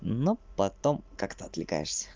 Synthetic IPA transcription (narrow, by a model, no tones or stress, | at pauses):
nopɐt̪omkakt̪əɐt̪lʲɪka̰jɪ̰ʂsʲə̥